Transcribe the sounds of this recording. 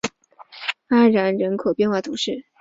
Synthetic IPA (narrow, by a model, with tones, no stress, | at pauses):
a˥ɻa˧˥nɻə˧˥nkʰo˨˩ʊpjɛ˥˧nxwa˥˩t̪ʰu˧˥ʂɻ̩˥˩